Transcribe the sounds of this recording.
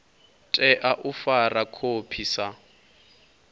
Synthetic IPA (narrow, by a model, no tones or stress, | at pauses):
tʼɛʔaʔʊfarakʰopʰisa